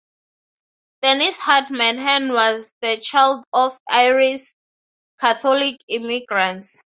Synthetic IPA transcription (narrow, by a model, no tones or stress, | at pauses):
d̥ɛnishatmãnɦɛ̃nwɔzðət͡ʃʰajldɔfajɹis | kʰaθɔlikimiɡɹãnts